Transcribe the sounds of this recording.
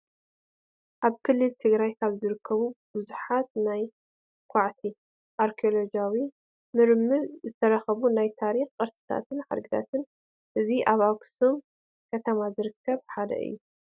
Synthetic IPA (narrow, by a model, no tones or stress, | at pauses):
ʔaβkʰɨlːɨlt̪ʰɨɡɾajkʰaβzɨɾɨkʰːɐβub̥ɨzuħat̪̚naj | kʷʰaʕt̪ʰi | ʔaɾkʰiolod͡ʒawi | mɨɾmɨɾzɨt̪ʰɐɾɐxɐβunajt̪ʰaɾixkʼɐɾsɨ̥t̪ʰa̰t̪ɨnħa̰d̪ɡɨt̪ʰa̰t̪ʰɨn | ʔɨziʔaβaksom | kʰɐt̪ʰɐmazɨɾɨkʰːɐβħad̪ɐ̰ʔɨ̰jːu